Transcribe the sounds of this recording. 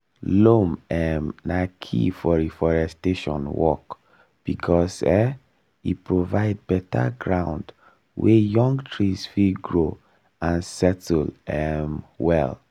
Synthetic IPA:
lomɛmnakʰḭfɔɹifɔɹɛsteʃɔ̃nwɔ̰k | b̥ikʰɔsɛ | ipɹovaɪd̚bɛta̰ɡɹãʊ̃nd | wɛjɔ̃ŋɡtʰɹisfiɡɹo | ãnsɛtlɛmwɛl

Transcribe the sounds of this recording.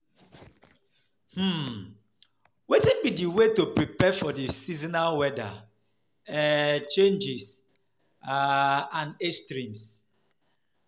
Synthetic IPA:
hm̩ | wetĩnbidiwetopɹipɛfɔdisizinawɛda̰ | t͡ʃẽnd͡ʒis | ãnestɾĩms

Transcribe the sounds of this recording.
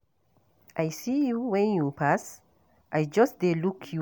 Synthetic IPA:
ʔajsijuwɛ̃njupʰas | ʔajd͡ʒʌsdelukʰju

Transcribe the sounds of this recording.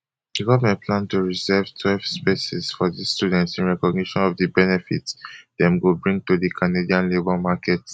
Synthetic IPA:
dəɡɔvəmɛ̃ntpʰlãntuɹizɛvtʰwɛlv̥spesisfɔðisstjudɛ̃ntsĩnɹɛkɔɡniʃɔ̃nɔvdəbɛnɛfḭtdɛ̃mwilbɹĩŋɡ̚tudikʰanediãnlebɔlmakɛt

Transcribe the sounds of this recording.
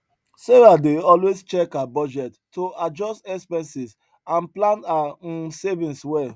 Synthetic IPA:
seɹadeɔlwest͡ʃɛkabɔd͡ʒɛtː | oad͡ʒɔstɛkspɛ̃nsis | ãnplãnãsevĩnswɛl

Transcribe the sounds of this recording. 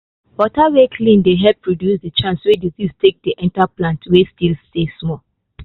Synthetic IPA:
wɔtawekʰlĩndeɦɛppʰːɹodjusdət͡ʃãnswediziztek̚diʔɛ̃ntaplãntwestilstesmɔ

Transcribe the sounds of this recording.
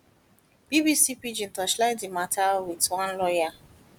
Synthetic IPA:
b̥ibisipid͡ʒĩn̩tɔʃlaɪdimatʰawitwãnlɔja

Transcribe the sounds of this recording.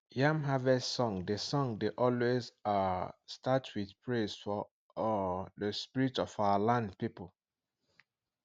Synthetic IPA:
jãmɦavɛsɔ̃ŋdesɔ̃ŋdeʔɔlwezastatwiθpʰɹezfɔ | dəspiɹitɔfawalãndpipəl

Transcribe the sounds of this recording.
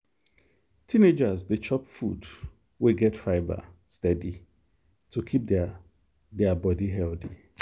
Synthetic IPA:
tʰined͡ʒazdet͡ʃɔpfṵd | weɡɛtfaɪba̰stɛdi | tʰukʰip̚ | dɛabɔdiɦɛldi

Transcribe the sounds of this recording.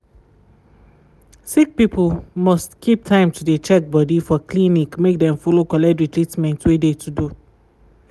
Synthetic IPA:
sik̚pipʰəlmɔstkʰip̚tʰãɪ̃mtʰudet͡ʃɛk̚bɔdifɔkʰlinikmek̚dɛ̃mfɔlokɔlɛtɹitɹitmɛ̃ntwedetʰudu

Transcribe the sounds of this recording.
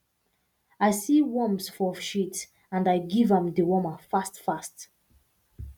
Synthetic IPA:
aɪsiwɔ̃msfɔʃit | ãndaɪɡivə̃mdəwɔmafastfast

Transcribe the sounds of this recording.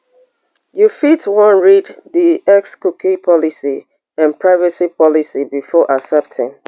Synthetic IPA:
jufitwɔ̃nɹiddiɛkskukʰipʰɔlisi | ãnpɹaɪvəsipʰɔlisibifɔʔasɛp̚tʰɪ̰̃n

